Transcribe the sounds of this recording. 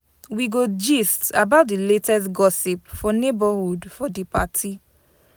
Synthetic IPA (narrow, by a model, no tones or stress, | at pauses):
wiɡod͡ʒistabaʊt̚diletɛstɡɔsipfɔnebahudfɔdipatʰi